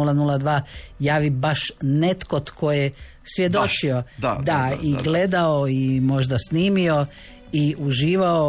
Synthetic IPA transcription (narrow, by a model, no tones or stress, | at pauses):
ulˠanulad̪ʋaːjaːʋibaʃne̞t̪ko̞t̪kʰoje | sʋje̞d̪ot͡ʃiod̪aiɡle̞d̪aoimo̞ʒd̪asniːmio̞ | iʔuʒiːʋao